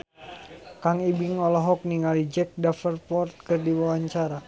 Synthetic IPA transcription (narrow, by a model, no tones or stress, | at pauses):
kaŋibiŋɔlɔɦɔk̚niŋalid͡ʒɛk̚dafərpɔrt̪̚kɨrdiwawaɲt͡ʃaɾa